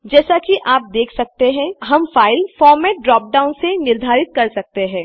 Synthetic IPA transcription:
d͡ʒɛːsakiʔaːp̚d̪eːkʰsɐk̚t̪eɦɛ̃ɦɐmfaːɪlfɔːɾmɛːʈ̚ɖɾɔːp̚ɖaːʊnsenɪɾd̪ʱaːɾɪt̪̚kɐɾsɐk̚t̪eɦɛ̃ː

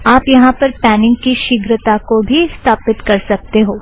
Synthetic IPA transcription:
aːpjɐɦãpɐɾpɛːnɪ̃ŋɡkiʃɪɡɾət̪akobʱiɪst̪ʰaːpɪt̪kɐɾsɐk̚t̪eɦoː

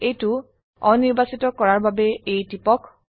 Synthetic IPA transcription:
ejtʊ | ɔniɹbasitɔkɔɹaɹbabɛejtipɔk

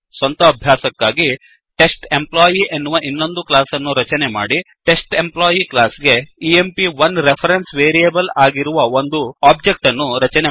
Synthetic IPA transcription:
sʋɐnt̪ɐːbʱjaːsɐkːaːɡi | ʈe̞sʈe̞mplaːjiʔenːuʋɐʔinːo̞nd̪uklaːsɐnːuɾɐt͡ʃɐnema̰ːɽiʈe̞sʈe̞mplaːjiklaːsɡe̞iempiʋɐnɾepʰɐɾensʋeːɾijɐbɐlaːɡiɾuʋɐo̞nd̪uaːb̚d͡ʒe̞k̚ʈɐnːuɾɐt͡ʃɐne

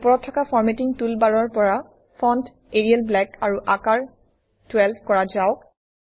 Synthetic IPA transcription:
pɔɹɔtʰːɔkafɔɹmetiŋtulbaɹɔɹpɔɹa | fʰɔnt | eɹialblɛkaɹuʔakaɹ | twɛlpʰkɔɹazaʊk

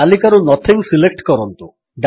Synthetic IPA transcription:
alikaɾunɔt̪ʰiŋsilek̚ʈkɔɾɔnt̪u | ɖ

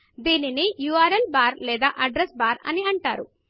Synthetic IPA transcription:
d̪iːnineːjuaːɾɐlbaːɾlɛːd̪aːʔɐɖɾesbaːɾɐ̰niɐɳʈa̰ːɾu

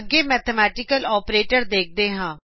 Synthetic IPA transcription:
ɡeːmɛːt̪ʰəmɛːʈɪkəlɔːpɾeːʈəɾd̪eːk̚ʰd̪eːɦãː

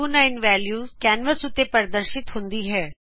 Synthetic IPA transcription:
uːnaːɪnʋɛːljuːkɛːnʋəsʊt̪ːeːpəɾd̪əɾʃɪt̪hʊ̃nd̪iːɦɛː

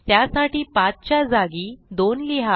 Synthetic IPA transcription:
t̪jasaʈiːpat͡st͡ɕjad͡zaɡiːd̪onliɦa

